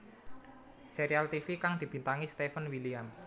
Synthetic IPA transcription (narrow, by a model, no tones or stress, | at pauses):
seɾialt̪ifikaŋd̪̥i̤b̥i̤nt̪aŋist̪efənwiliam